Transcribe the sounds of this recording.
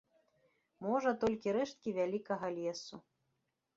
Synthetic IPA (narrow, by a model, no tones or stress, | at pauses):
mɔʐɐt̪ɔlʲkʲiɾɛʂt̪̚kʲivʲalʲikɐɣɐlʲɛsu